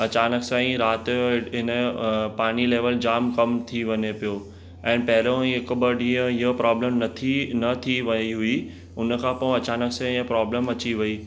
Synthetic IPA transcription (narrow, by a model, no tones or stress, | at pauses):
ɐt͡ɕaːnəksãːĩɾaːt̪ɦɪnəpaːɽ̃ileːʋəld͡ʑaːmkɐmt̪ʰiʋɐɲepijoː | ɛ̃ːnpɐɦɪɾõɪkəbəɖiə̃ɪɦəpɾaːbləmnɐt̪ʰinɐt̪ʰiʋɐiɦui | ʊnəkʰãːpɐ̃ɐt͡ɕaːnəksãə̃pɾɔːbləmɐt͡ɕiʋɐi